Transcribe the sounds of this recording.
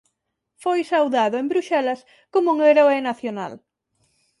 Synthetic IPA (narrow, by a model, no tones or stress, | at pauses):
fojsawðaðʊembɾuʃɛlɐs | komʊŋeɾoenaθjona̰l